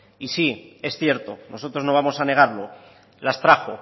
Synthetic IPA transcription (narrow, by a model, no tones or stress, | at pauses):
isie̞sθje̞ɾt̪o̞no̞so̞t̪ɾo̞zno̞β̞amo̞sane̞ɣ̞aɾlo̞ | last̪ɾaxo